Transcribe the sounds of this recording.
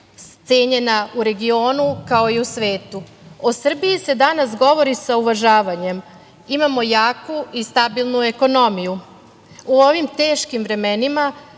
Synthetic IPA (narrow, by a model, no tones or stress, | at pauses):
t̪se̞ːɲe̞nauɾe̞ɡio̞ːnukao̞iusʋe̞ːt̪uosr̩bijise̞d̪anasɡo̞ʋo̞ɾisauʋaʒaːʋaɲe̞m | imamo̞jaːkuist̪abilˠnue̞ko̞no̞miju | uo̞ʋimt̪e̞ːʃkimvɾe̞me̞nima